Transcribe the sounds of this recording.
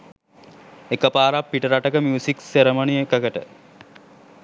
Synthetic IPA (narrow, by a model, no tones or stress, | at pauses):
ekəpaːɾapːiʈəɾaʈəkəmjuːsikseɾəmɐnijekəkəʈə̰